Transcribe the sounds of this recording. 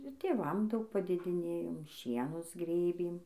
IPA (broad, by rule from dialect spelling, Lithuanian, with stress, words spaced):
ɪr tʲeːˈʋɐm ˈdɐʊk pɐdʲeːdʲɪˈnʲeːjoːm ˈʃʲiɛnʊs ˈɡrʲeːbʲeːm